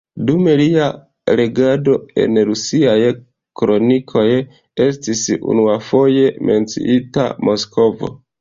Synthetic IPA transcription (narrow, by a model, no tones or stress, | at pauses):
dume̞lia | ɾe̞ɡado̞e̞̰nɾusiaj | kɾo̞nikʰo̞j | e̞stisṵnuafo̞je̞me̞nt͡sḭʔita̰mo̞skʰo̞vo̞̰